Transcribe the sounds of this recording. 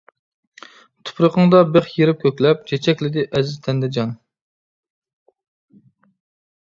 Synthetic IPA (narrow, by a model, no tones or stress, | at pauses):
t̪ʰʊ̥pʰɾʊqəŋd̪ɑbeχjeɾɪp̚kʲʰøkʲlɛp̚t͡ʃʰet͡ʃʰɛkʲlɪd̪ɪʔɛzɪzt̪ʰɛnd̪ɛd͡ʒɑn